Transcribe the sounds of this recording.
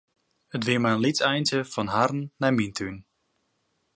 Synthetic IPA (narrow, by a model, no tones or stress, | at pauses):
ətʋiːmaənlitsɛjntəfɔnɦarn̩ːamintʰyn